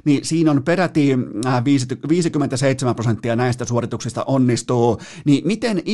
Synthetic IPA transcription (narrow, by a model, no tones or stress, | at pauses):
nisiːnonperæt̪iʋiːsit̪ʋiːsikymːent̪æseit̪semæmprosent̪ːiɑnæist̪æsuorit̪uksist̪ɑ̰ʔonːist̪uːnimit̪enʔ